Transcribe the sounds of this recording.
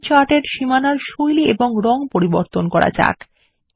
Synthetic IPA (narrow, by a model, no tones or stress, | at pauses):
t͡ɕaʈeɾʃimanaɾʃojliʔeboŋɾɔŋpoɾiboɾt̪onkɔɾa̰d͡ʑa̰k